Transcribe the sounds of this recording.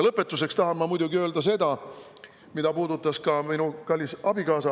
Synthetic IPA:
lɤpːˑe̞t̪ːˑuse̞kst̪ɑɦɑnmɑmujd̪̥uɡiø̞ːld̪̥ɑs̬e̞d̪ɑ | mid̪ɑpuːd̪̥ut̪ːˑɑskɑminukɑlʲːisɑbikɑːsɑ

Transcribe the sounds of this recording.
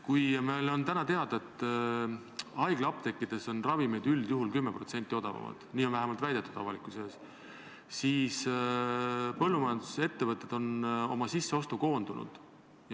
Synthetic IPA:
kujmelo̞nt̪ænɑt̪e̞ɑd̪̥e̞t̪ˑː | ɑjɡ̥lɑpt̪e̞kˑːid̪̥e̞so̞nrɑvimejd̪̥yld̪̥juɦulkymːepro̞t̪se̞nt̪ːˑio̞d̪̥ɑvɑ̰mɑ̰d̪̥niːonvæɦemɑlt̪væjd̪̥e̞t̪ːˑud̪̥ɑvɑlikˑuses | siːs | pɤlːumɑjɑnd̪̥use̞t̪ːe̞vɤt̪ːˑe̞d̪̥o̞no̞mɑsisːe̞o̞st̪uko̞ːnd̪unṵd̪̥ | j

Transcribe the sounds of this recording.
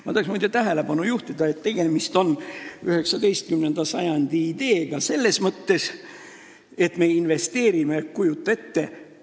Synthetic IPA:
mɑt̪ɑheksmuːd̪jɑt̪æɦele̞b̥ɑnujuht̪id̪̥ɑe̞t̪ːe̞ɡ̥e̞mist̪o̞nyhe̞ksɑd̪e̞jst̪̚kymne̞nd̪̥ɑsɑjɑnd̪̥iːd̪̥e̞ːɡ̥ɑse̞lːe̞smɤt̪ːe̞s | e̞t̪me̞inve̞st̪e̞ːɾimekkujut̪ːˑɑe̞t̪ːe

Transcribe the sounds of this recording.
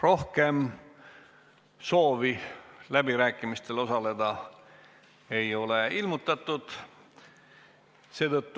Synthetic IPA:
ro̞hke̞m | so̞ːvilæbiɾæːkˑːimist̪e̞lo̞sɑle̞d̪̥ɑ | e̞jo̞le̞ilmut̪ːˑɑt̪ːˑud̪̥ | se̞ːt̪ɤt̪ːu

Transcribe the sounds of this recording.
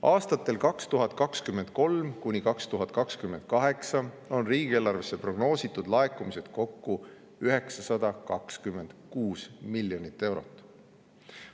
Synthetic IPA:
ɑːst̪ɑt̪ːˑe̞lkɑkst̪uɦɑt̪ˑkɑkskymːe̞nd̪̥̚ko̞lmkunʲikɑkst̪uɦɑt̪̚ːˑkɑkskymːend̪̥̚kɑɦe̞ksɑ | o̞nriːɡ̥ieːlːɑrvesːepro̞ɡ̥no̞ːsit̪ːˑud̪̥lɑekˑumise̞d̪̥ko̞kːu | yɦe̞ksɑsɑd̪̥ɑkɑkskymːe̞nd̪̥kuːsmilːjo̞nʲit̪ːˑe̞wɾot̪ːˑ

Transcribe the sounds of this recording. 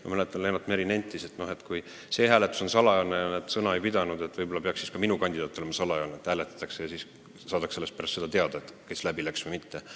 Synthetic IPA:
mɑ̰mælet̪ːˑɑnlːenɑt̪ːˑmeɾinenʲt̪ːˑise̞t̪no̞he̞t̪kuj | se̞ːɦæːle̞t̪ːˑu̥so̞nsɑlɑjonːejɑned̪sɤnɑe̞jpid̪̥ɑnud̪̥e̞t̪ːˑvɤjbo̞lɑpe̞ɑksːiskɑminukɑnʲd̪id̪̥ɑːt̪ˑːole̞mɑsɑlɑjonːeet̪hæːlet̪ːˑɑ̥t̪ːˑɑksejɑsiːs | sɑːd̪ɑkse̞lːest̪pæɾɑst̪sed̪̥ɑt̪e̞ɑd̪̥ɑet̪ːkeslæbilæksmemit̪ːe

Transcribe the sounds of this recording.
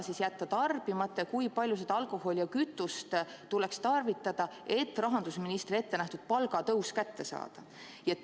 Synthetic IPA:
sisjæt̪ːɑt̪ɑrb̥imɑt̪ːˑekujpɑlʲjuse̞d̪ɑɑlkˑo̞ho̞ljɑkyt̪ːˑust̪t̪ːulekst̪ɑrvit̪ːˑɑd̪̥ɑe̞t̪ːˑrɑɦɑnd̪̥usminist̪rie̞t̪ːe̞næht̪ud̪̥̚pɑlɡ̥ɑt̪ɤwskæt̪ːe̞sɑ̰ːd̪̥ɑ | jɑ

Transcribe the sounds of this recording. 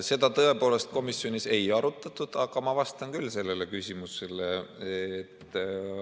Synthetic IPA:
se̞d̪̥ɑt̪ɤe̞po̞ːle̞st̪̚ko̞misːio̞nise̞jɑɾut̪ːˑɑt̪ːˑud̪̥ɑɡ̥ɑmɑvɑst̪ɑnkylːse̞lːe̞le̞kysʲimuse̞leː | t̪ː

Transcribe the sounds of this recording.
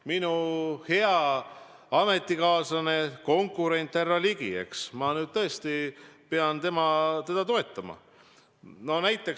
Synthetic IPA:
minuhe̞ɑ | ɑme̞t̪ːˑikɑːsɑne̞ko̞ŋkːˑuɾe̞nʲt̪ːˑærːɑliɡ̥ie̞̰ksmɑnyːd̪̥̚t̪ɤ̞e̞st̪ipe̞ɑnt̪e̞mɑt̪e̞d̪̥ɑt̪o̞e̞t̪ːˑɑmɑ̰ | no̞næjt̪ːˑe̞k

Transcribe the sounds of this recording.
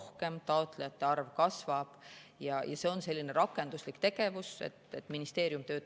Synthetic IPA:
hke̞mt̪ɑot̪ˑlejɑt̪ːˑe̞ɑrvkɑsvɑb̥jɑjɑ̰se̞ːo̞nse̞lʲːineɾɑkːˑe̞nd̪̥uslikt̪e̞ɡ̥e̞vusḛt̪ːet̪ːˑminist̪e̞ːɾjumt̪ø̞ːt̪

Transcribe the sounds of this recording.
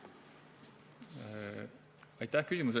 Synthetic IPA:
ɑjt̪ːˑæhkysʲimus̬e

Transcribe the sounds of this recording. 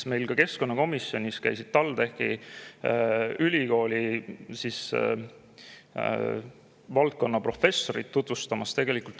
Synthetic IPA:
sme̞jlkɑke̞sko̞nːɑko̞misːjo̞nʲiskæ̰jsid̪̥̚t̪ɑlt̪e̞hkḭ | ylʲiko̞ːlʲisis | vɑlt̪̚ko̞nːɑpro̞fe̞sːo̞ɾit̪t̪ːut̪vust̪ɑmɑst̪e̞ɡ̥e̞likˑult̪

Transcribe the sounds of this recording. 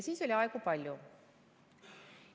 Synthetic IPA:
siːso̞lʲiɑekupɑlʲju

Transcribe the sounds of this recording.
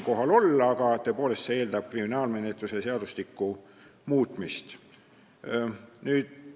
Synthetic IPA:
ko̞ɦɑlo̞lːɑɡ̥ɑt̪øpoːle̞st̪seeːld̪ɑb̥̚kriminɑːlme̞net̪ˑluseseɑd̪̥uslikːˑu | muːt̪ˑmist̪ | nyːd̪̥

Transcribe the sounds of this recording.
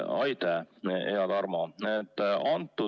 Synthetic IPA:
ɑjt̪ɛeɑd̪ɑrmɑet̪ːɑnt̪ːu

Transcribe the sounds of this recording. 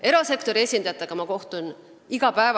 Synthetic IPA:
e̞ɾɑse̞kt̪o̞ɾieːsʲind̪̥ɑjɑt̪ːˑe̞ɡ̥ɑmɑko̞ht̪un | iɡ̥ɑpæev

